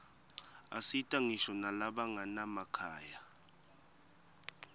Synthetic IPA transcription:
a̰sitʼaŋiʃɔnalaɓaŋanamakʰaːja

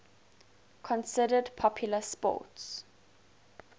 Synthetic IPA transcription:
kʰɔ̃nsɪdədpʰɔpʰjʊləspɔ̰ˑts

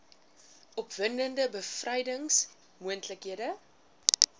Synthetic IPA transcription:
ʔɔpvəndəndəbəfrɐjdəŋs | muəntləkɦiədə

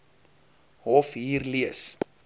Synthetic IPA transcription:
ɦɔfɦiːrliəs

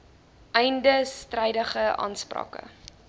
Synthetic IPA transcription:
ʔɛjndəstrɛjdəχəʔɑ̰nsprɑ̰ːkə̰

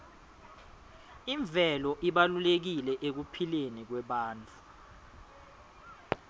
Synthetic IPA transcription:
iɱb̪vʱɛlɔʔiɓalulek̬ilɛʔek̬upʰilenik̬wɛɓaːnt͡fʰʼu̥

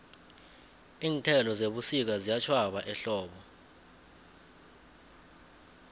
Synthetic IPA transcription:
iːntʰɛlɔzeɓusik̬azijat͡ʃʰwaɓaʔɛɬɔːɓɔ

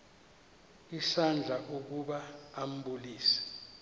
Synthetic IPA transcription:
isand͡ɮʱaʔuk̬uɓaːm̩bʱuliːsɛ̥

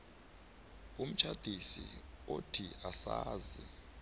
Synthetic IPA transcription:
um̩t͡ʃʰad̥ʱisḭotʰiasaːzi

